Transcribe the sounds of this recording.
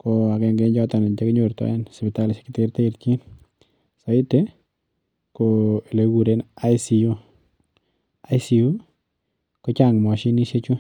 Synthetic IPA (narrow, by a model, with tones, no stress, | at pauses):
ko˧a˨kɛ˨ŋɡe˨ɲd͡ʒɔ˦ta˨nɪ˨nt͡ʃe˦kɪ˦ɲo˨ɾtɔ̰˦ɛ˦nspi˨ta˦lɪski˦te˦ɾte˦i˨ɾt͡ʃi˦n | sa˨ɪ˦te˦ | ko˨e˨le˨˦ɡu˨ɾe˦na˦jsi˨u˦ | a˨jsi˨u˦ | kɔ˦t͡ʃa˨ŋmɔ˨ʃi˦ni˦ʃe˦t͡ʃu˦